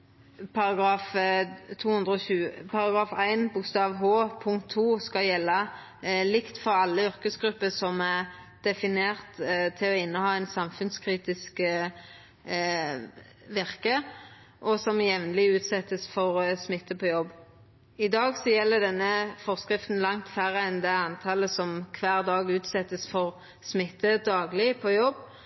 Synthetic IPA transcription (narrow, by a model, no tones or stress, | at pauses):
pʰɑɾɑɡɾɑːft̪ʰuːhʉnd̪ʁəɔçʉːəpʰɑɾɑɡɾɑːfæɪnbʊkst̪ɑːʋɦoːpʰʊŋkt̪ʰːuːskɑljɛlːɑ | lɪkt̪fɔɾɑlːəʏɾkəsɡɾʉpːəsɔmæʁ | d̪̥ɛfɪneːʁt̪t̪ʰɪlɔɪnːəhɑːæɪnsɑmfʉnskʰɾiːt̪ɪsk | ʋɪʁkə | ʔɔsɔmjɛʋnəlɪʉːt̪sɛt̪ːəsfɔʁsmɪt̪ːəpʰɔjɔbː | ɪd̪ɑːɡsɔjɛlːəd̪ɛnːəfɔʁskɾɪft̪n̩lɑŋt̪fæɾəɛnd̪ɛɑnt̪ʰɑːləsɔmkʰʋæːʁd̪ɑːɡʉːt̪sɛt̪ːəsfɔʁ | smɪt̪ːəd̪ɑːɡlɪpʰɔjɔbː